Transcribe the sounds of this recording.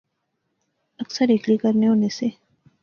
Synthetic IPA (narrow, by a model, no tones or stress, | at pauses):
ɐksəɾɪklikəɾneɦonese